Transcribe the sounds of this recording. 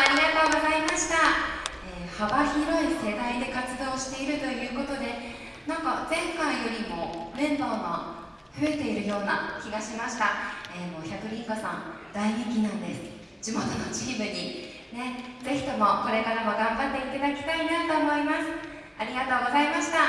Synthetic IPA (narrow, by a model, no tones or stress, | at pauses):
aɾʲiɡat̪o̞ːɡo̞zaimaɕi̥t̪a | eːhabaçiɾo̞ise̞d̪aid̪e̞kat͡sɨd̪o̞ːɕi̥t̪e̞iɾɯ̟t̪o̞jɯ̟ːko̞t̪o̞d̪e̞ | nãŋkad͡zẽ̞ŋkaijo̞ɾʲimo̞ːmẽ̞nd̪o̞ːno̰ | ɸɯ̟e̞t̪e̞iɾɯ̟jo̞ːna̰kʲiɡaɕimaɕi̥t̪aeːmo̞ːçakɯ̟ɾʲĩŋkasã̰n | d̪aiɲekʲinãnd̪e̞sɨ̥ | d͡ʑ̥imo̞t̪o̞no̞t͡ɕiːmɯ̟ɲ̟i | ne̞d͡ze̞çi̥t̪o̞mo̞ko̞ɾe̞kaɾamoɡãmbat̪ːe̞it̪ad̪akʲi̥t̪ainat̪o̞ːmo̞imasɨ̥ | aɾʲiɡat̪o̞ːɡo̞zaimaɕi̥t̪a